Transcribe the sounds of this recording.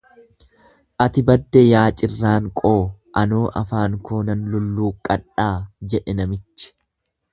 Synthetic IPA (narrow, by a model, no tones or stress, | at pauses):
ʔɐt̪ɪbɐd̪ːɛjaːt͡ʃʼɪrːaːŋkʼoːʔɐnoːʔɐfaːŋkoːnɐnlʊlːuːkʼɐᶑːaːd͡ʒɛᶑɛnɐmɪt͡ʃːɪ̥